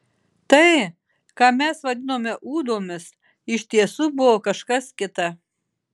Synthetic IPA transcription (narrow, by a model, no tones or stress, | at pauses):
t̪ɐɪ | kɑːmʲɛsʋɐd̪ʲɪnoːmʲɛʔuːd̪oːmʲɪs | ɪʃʲt̪ʲiɛsuːbʊʋoːkɐʃkɐskʲɪt̪ɐ